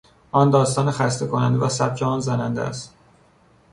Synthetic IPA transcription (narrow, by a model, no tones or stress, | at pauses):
ʔɒːnd̪ɒːst̪ɒːnexæst̪e̞kʰonæ̰nd̪evæsæp̚cʰeɒːnzænænd̪ḛæ̰st̪